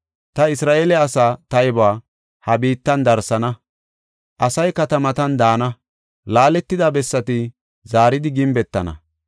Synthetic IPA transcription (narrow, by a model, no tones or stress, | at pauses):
t̪ɐɪsɾaːʔeːlɛɐsaːt̪ɐjɪbaː | hɐbiːt̪ːɐnd̪ɐɾsɐnɐ | ʔɐsɐjkɐt̪ɐmɐt̪ɐnd̪aːnɐ | laːlɛt̪ːɪd̪ɐbɛsːɐt̪ɪ | zaːɾɪd̪ɪɡɪmbɛt̪ːɐ̰nɐ̰